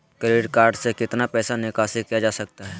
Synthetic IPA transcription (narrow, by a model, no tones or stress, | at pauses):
kɾeːɖkaːɾɖsekɪt̪napɛːsanɪkaːsikijad͡ʒaːsɐk̚t̪aɦɛː